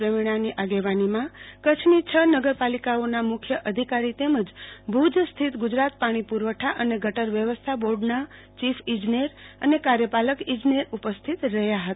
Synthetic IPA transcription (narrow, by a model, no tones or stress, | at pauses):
ɾəmiɽ̃aniʔaɡeʋanimãkət͡ʃʰnit͡ʃʰənəɡəɾpalikaonamʊkʰjəʔəd̪ʱikaɾit̪eməd͡ʒbʱud͡ʒst̪ʰit̪ɡʊd͡ʒɾat̪̚paɽ̃ipuɾʋəʈʰaʔəneɡʱəʈəɾʋjəʋəst̪ʰaboɾɖna | t͡ʃifʰid͡ʒnieɾə̰nekaɾjəpaləkid͡ʒneɾupəst̪ʰit̪ɾəɦjaɦət̪a